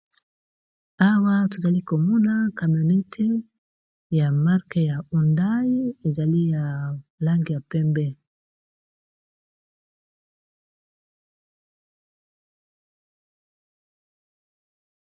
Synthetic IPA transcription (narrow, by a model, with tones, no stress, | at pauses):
a˦wa˦to˨za˨li˦ko˨mɔ˦na˦ka˨m˨o˨ne˦tʰe˦ | ja˨ma˦ʁke˨ja˨u˨nda˦ji˦e˨za˨li˦ja˨la˦ŋɡi˨ja˨pɛ˦mbɛ˦